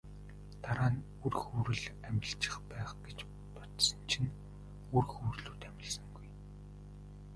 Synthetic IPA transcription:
t̪aɾaːn | urxuːɾɘ̆ɮæmʲɪ̆ɬt͡ɕɪ̥̆χpæːχɡet͡ɕ | pɔt̪sə̆nt͡ɕʰin | urxuːrɮuːt̪æmʲɪ̆ɮsə̆ŋɡuj

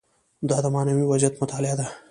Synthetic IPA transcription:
d̪ɑd̪əmɑːnamiwazjat̪mʊt̪ɑlɪad̪a

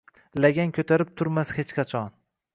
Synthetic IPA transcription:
laɡʲankʰʲɵt̪ʰaɾɪp̚t̪ʰʊɾmashet͡ʃqʰɑt͡ʃʰɒn

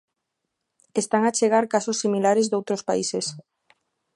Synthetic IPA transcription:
est̪aŋat͡ʃeɣ̞aɾkasosːimilaɾezd̪owt̪ɾospaises

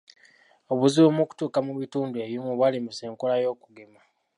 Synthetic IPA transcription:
o̞βuziomoku̥tuːkamuβituːndue̞βjumuβwalimise̞ːŋkolajo̞ːkuɡema

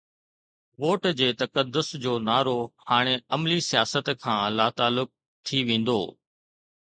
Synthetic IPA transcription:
ʋoːʈd͡ʑeːt̪ɐkəd̪ːʊsd͡ʑoːnaːɾohaːɽ̃eɐmlisijaːsət̪kʰãːlaːt̪aːlʊk̚ | t̪ʰiʋẽːn̆d̪o̰ː

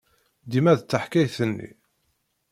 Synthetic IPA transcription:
d̪imæðt͡sːəħkæjθənːḭ

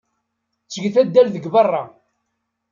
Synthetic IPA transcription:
t͡sːəɡθæd̪ːælðəɡbɑrˤːɑ

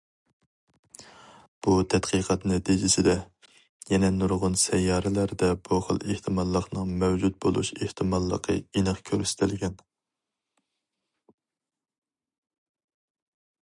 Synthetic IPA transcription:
b̥ut̪ʰɛt̪qʰiqʰɑt̪nɛt̪ʰid͡ʒɪsɪd̪ɛ | jɛnɛnuɾʁʊnsɛjːɑːɾɪlæɾd̪ɛb̥uχə̰lˠeht̪ʰɨmɑlˠːəqnɨŋmɛwd͡ʒut̪̚bolˠṵʃeht̪ʰɨmɑlˠːə̰qʰə̰inəχkʲʰøɾysɪ̥t̪ʰɪlɡʲɛn

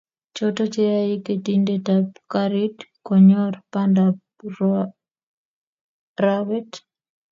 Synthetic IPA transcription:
t͡ʃɔtɔt͡ʃɛɾaiketindetapkaɾitkɔɲɔrpandap | rawɛt

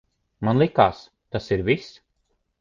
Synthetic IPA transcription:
manlˠikaːs | t̪asiɾvis

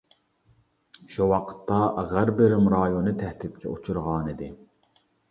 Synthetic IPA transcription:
ʃuwɑqʰə̥t̪ʰːɑʁæɾbɪɾɪmɾɑːjonɨt̪ʰɛht̪ɪp̪̚kʲʰɛ̰ut͡ʃʰuɾʁɑːnid̪ɪ

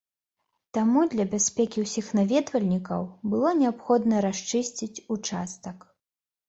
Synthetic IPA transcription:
t̪amud̪lʲɐbʲasʲpʲɛkʲiwsʲixnavʲɛd̪vɐlʲnʲikɐ̰wbɨlˠɔnʲɛapxɔd̪nɐɾaʂt͡ʂɨsʲt͡sʲit͡sʲut͡ʂast̪ɐk

